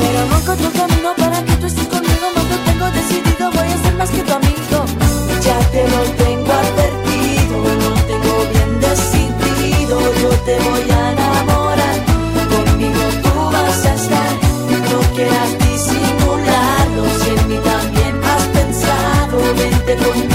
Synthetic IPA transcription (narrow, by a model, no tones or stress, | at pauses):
peɾomoskot̪ɾok̪amĩno̞paɾaket̪uest̪esko̞nmiɣonoot̪e̞ŋɡo̞ðe̞siðiðo̞βo̞jase̞ɾmasket̪amĩðo̞ | ʒake̞not̪eŋɡoaðβeɾt̪iðonot̪e̞ŋɡo̞βje̞nd̪e̞siðiðo̞not̪e̞βo̞janamo̞ɾaɾ | komminot̪uβasasaɾ | no̞kje̞ɾast̪isimulaɾðosenmit̪ambje̞nmaspe̞nsaðo̞ment̪ekon